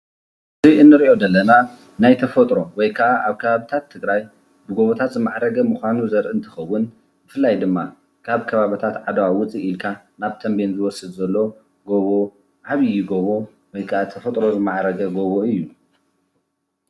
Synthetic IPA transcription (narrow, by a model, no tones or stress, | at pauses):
ɨziʔɨnːɨɾiʔo̞d̪ɐlːɐna | najt̪ʰɐfɐt̪ʼɾo̞wɔjkʰɐʔaʔaβkʰɐβaβɨt̪ʰat̪ʰːɨɡɾaj | bɨɡoβot̪ʰat̪zɨmaʕɾɐɡɐmuxʷanuzɐɾʔɨnt̪ʰɨ̥xɐwːʊn | bɨfɨlːajd̪ɨmːa | kʰaβkʰɐβaβɨt̪ʰat̪ʕad̪ɐwawʊt͡sʼiʔilkʰa | naβt̪ʰɐmbenzɨwɔsːɨd̪zɐlːo̞ | ɡoβo | ʕaβɨjːɪɡoβo̞ | wɔjkʰɐʔat̪ʰɐfɐt̪ʼɾo̞zɨmaʕɾɐɡɐɡoβoɨjːu